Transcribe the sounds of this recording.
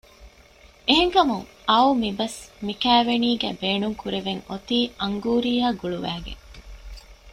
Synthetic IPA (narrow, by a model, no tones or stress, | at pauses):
eɦeŋkɐmuŋ | ɐumibɐsmikæːʋeniːɡæ̰beːnuŋkuɾeʋeŋot̪iːʔɐŋɡuːɾiːaːɡuɭuʋæːɡḛŋ